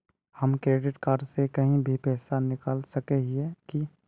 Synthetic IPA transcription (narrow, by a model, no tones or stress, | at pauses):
hɐmkɾeːɖɪʈkaːɾɖsekɐɦĩbʱipɛːsanɪkaːlsɐkeɦiɦɛki